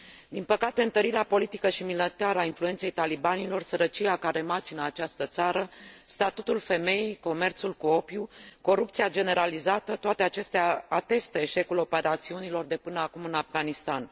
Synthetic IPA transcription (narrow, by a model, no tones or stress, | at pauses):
d̪inpəkat̪e̞ɨnt̪əɾiɾeapo̞lit̪ikəʃimilət̪eaɾəainflue̞nt̪se̞jt̪alibanilo̞rsəɾət͡ʃijakaɾe̞mat͡ʃinəat͡ʃast̪ət̪saɾəst̪at̪ut̪ulfe̞me̞jijko̞me̞rt̪sulkuo̞pjuko̞ɾup̚t̪siad͡ʒe̞ne̞ɾalizat̪ət̪oat̪e̞at͡ʃe̞st̪eaːt̪e̞st̪əe̞ʃe̞kulo̞pe̞ɾat̪siunilo̞rd̪e̞pɨnəakumɨnafɡanist̪an